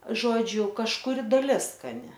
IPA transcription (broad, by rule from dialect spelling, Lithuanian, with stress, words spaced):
ˈʒoːd͡ʒʲʊ kɐʃkʊˈrʲɪ dɐˈlʲɪs skɐˈnʲɪ